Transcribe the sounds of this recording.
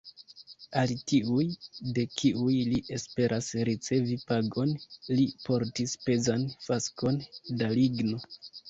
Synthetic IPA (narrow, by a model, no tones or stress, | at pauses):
alitiujde̞kiujliʔe̞spe̞ɾʔasɾit͡se̞vipaɡo̞nlipo̞ɾtispe̞zanfasko̞ndaliɡno̞